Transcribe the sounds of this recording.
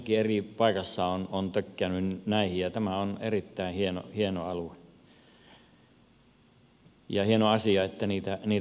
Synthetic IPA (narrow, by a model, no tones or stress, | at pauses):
kieripɑikɑsːɑonont̪økːeænynnæˑihijjɑt̪æmæonḛrit̪ːæihieno̰hienoɑlue | jɑhienoɑsiɑet̪ːæniːt̪æniːt̪